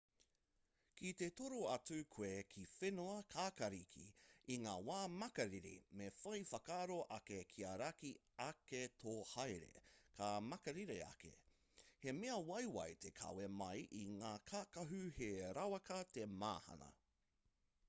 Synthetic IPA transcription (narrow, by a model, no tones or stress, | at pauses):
kit̪etoɾoɐt͡sʉkʰweːkʰifenoɐkʰaːkɐɾikʰḭiŋaːwaːmɐkɐɾiɾḭmefɐjfɐkaːɾoʔɐkekʰiaɾaki | ɐketʰoːhajɾḛkʰamɐkɐɾiɾeɐ̰kḛ | he̞meɐwɐjwɐ̰jt̪ʰekʰɐ̰wemɐjʔiŋaːkʰaːkɐɦʉheɾawɐkɐt̪ema̰ːhɐ̰nɐ̰